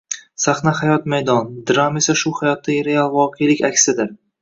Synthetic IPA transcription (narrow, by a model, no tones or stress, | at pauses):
saχnahajɒt̪majd̪ɒnd̪ɪɾame̞saʃʊhajɒt̪ːaɡʲɾealˠvɒqʰejlɪkʲakʲsɪd̪ɪɾ